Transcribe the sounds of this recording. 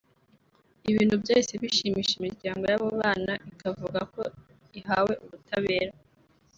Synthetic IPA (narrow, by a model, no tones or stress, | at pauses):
iβiːnhubjo̞ːse̞βiʃiːmiːʃimiɾɟaːŋɡo̞jaβoβaːnaʔikavuɡako̞ | iɦaːwe̞ʔuβutʰaβe̞ːɾa